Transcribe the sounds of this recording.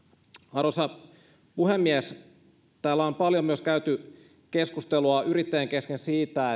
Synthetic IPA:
ɑɾosɑ | puhe̞mːiæs | t̪æːlːæompɑljomyøskæyt̪y | ke̞skust̪eluɑʔyɾit̪ːejeŋke̞skensiːt̪æ

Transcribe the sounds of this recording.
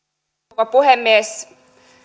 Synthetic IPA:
opuhemːies

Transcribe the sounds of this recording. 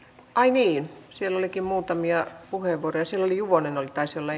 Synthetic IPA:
ʔɑiniːnsielːolikimmuːt̪ɑmiɑpuheʋʋuorojɑsielːolijuʋonenolit̪ɑisolːɑ

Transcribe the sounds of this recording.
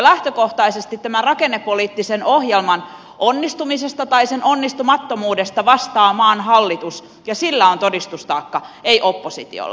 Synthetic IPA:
læht̪økoht̪ɑisest̪it̪t̪æmærɑkenːepːoliːt̪ːisenohjelmɑn | ʔonːist̪umisest̪ɑt̪ɑisenonːist̪umɑt̪ːomuːdest̪ɑʋɑst̪ɑːmɑːnhɑlːit̪us | jɑsilːæont̪odist̪ust̪ɑːkːɑeiʔopːosit̪ḭo̰lː

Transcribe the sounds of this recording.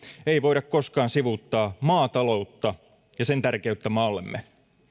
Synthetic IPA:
ejʋo̞idɑkko̞skɑːnsiʋut̪ːɑːmɑːt̪ɑlo̞ut̪ːɑ | jɑsent̪ærkeyt̪ːæmɑːlːe̞̰mːe

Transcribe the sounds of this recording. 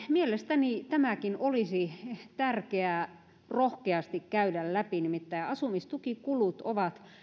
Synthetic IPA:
mielest̪ænit̪æmækinolisit̪ærkeæ | rohkeɑst̪ikkæydællæpinimit̪ːæiɑsumist̪ukikulut̪oʋɑt̪

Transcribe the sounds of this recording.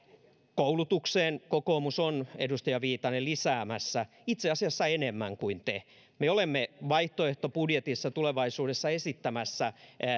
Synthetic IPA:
koulut̪ukseːnkokoːmusonedust̪ɑjɑʋiːt̪ɑnelisæːmæsːæ | it̪seɑsiɑsːɑenemːæ̰ŋkuint̪e | meolemːeʋɑiht̪oeht̪opudjet̪isːɑt̪uleʋɑisuːdesːɑesit̪ːæmæsːæ

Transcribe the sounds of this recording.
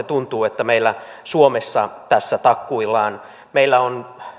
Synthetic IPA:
et̪unt̪uːet̪ːæmeilːæ | suomesːɑt̪æsːæt̪ɑkːuilːˑɑːn | meilːæon

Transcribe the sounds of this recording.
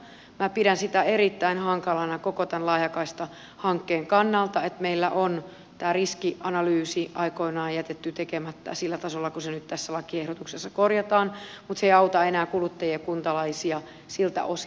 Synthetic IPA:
mæpiɾænsit̪æeɾit̪ːæinhɑŋkɑlɑnɑkokot̪ænlɑijɑkɑist̪ɑ | hɑŋkːeːŋkɑnːɑlt̪ɑet̪meilːæ̰ʔon | t̪æːriskiʔɑnɑlyːsiɑikoinɑːjæt̪et̪ːyt̪ekemæt̪ːæ̰silːæt̪ɑsolːɑkusenyt̪t̪æsːælɑkiehɾot̪uksesːɑkorjɑt̪ɑːn | mut̪seiɑut̪ɑenæːkulut̪ːɑjiekunt̪ɑlɑisiɑ | silt̪æ̰ʔos

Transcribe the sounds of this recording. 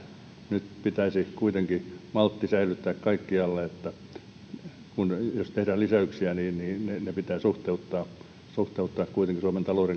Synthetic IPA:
nyt̪pit̪æisikuit̪eŋkimɑlt̪ːisæilyt̪ːæːkkɑikːiɑlːeet̪ːæ | kunjost̪ehdæːlisæyksiæniːniːnenepit̪æːsuht̪eut̪ːɑː | suht̪eut̪ːɑːkkuit̪eŋkisuɑment̪ɑloːreŋ

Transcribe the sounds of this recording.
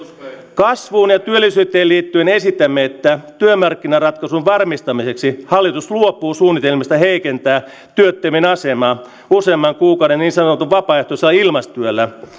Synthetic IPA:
kɑsʋuːnjɑt̪yølːisyːt̪ːˑeːliːt̪ːyenesit̪ːæmːeet̪ːæt̪yømːɑrkːinɑrɑt̪kɑsunʋɑrmist̪ɑmiseksihɑlːit̪usluopˑːuːsuːnːit̪elmist̪ɑheikent̪æː | t̪yøt̪ːøminɑsemɑː | usemːɑŋkuːkɑuwdenniːnsɑnot̪uʋʋɑpɑːeht̪oselːɑilmɑst̪yølːæ

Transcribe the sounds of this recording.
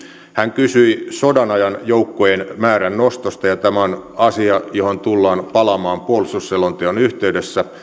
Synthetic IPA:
hæŋkysyisodɑnɑjɑnjoukːojenmæːɾænnost̪ost̪ɑjɑt̪æmæonɑsiɑjohont̪ulːɑːnpɑlɑmɑːmpuolsusːelont̪ionyht̪eydesːæ

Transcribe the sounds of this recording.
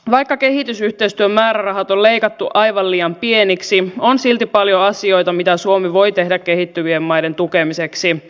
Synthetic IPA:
ʋɑjkːɑke̞ɦit̪ysyht̪eist̪yømːæːɾærɑɦɑt̪olle̞jkɑt̪ːuʔɑjʋɑlliːjɑmpieniksionsilt̪ipɑljoɑsio̞jt̪ɑmit̪æsuomiʋo̞jt̪e̞ɦdækkːe̞ɦit̪ːyʋiemːɑjde̞nt̪ukemiseksi

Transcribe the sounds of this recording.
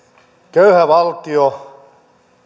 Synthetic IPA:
køyhæʋɑlt̪io

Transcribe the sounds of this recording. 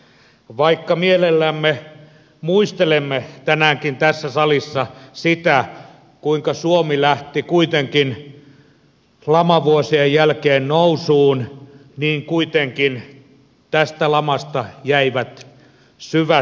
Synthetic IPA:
ʋɑikːɑmielelːæmːe | muist̪elemːet̪ænæːŋkint̪æsːæsɑlisːɑsit̪æ | kuiŋkɑsuomilæht̪ikuit̪eŋkin | lɑmɑʋuosiejjælkeːnnousuːnniːŋkuit̪eŋkin | t̪æst̪ælɑmɑst̪ɑjæiʋæt̪ | syʋæ

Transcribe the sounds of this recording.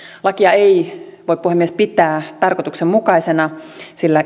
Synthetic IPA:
lɑkiɑeiʋoit̚puhemːiespit̪æːt̪ɑrkot̪uksemmukɑisenɑsilːæ

